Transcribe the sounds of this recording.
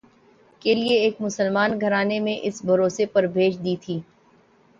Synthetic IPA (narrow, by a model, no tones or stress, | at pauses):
kelieːkmʊsəlmaːnɡʱɐɾaːnemẽʔɪsbʱɐɾoːsepɐɾbʱeːt͡ʃd̪iːt̪ʰiː